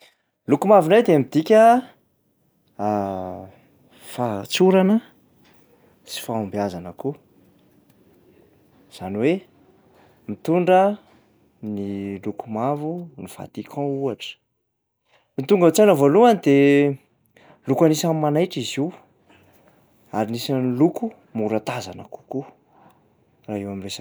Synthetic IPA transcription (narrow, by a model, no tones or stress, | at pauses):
lukumavinajd̪emid̪̥ikʲə | fat͡suɾanə | t͡si̥faambiazanəku | z̥aniwe | mit̪uɳɖ͡ʐə | nilukumavunifa̰t̪ikʰɔ̃uaʈ͡ʂə̥ | mit̪uŋɡat͡sanavoluanid̪e | lukanisamimanajʈ͡ʂiziw | aɾinisaniluku | muɾat̪azanə̰ku̥ku | raɦewamiresa